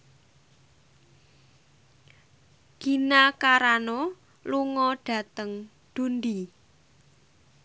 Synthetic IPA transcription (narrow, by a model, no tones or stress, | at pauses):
ɡ̥i̤nakaɾanɔ | luŋɔɖ̥ä̤t̪əŋ | d̪̥ṳnd̪i